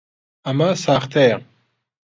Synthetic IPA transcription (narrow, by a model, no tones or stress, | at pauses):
amasaχt̪ʰɛːʁ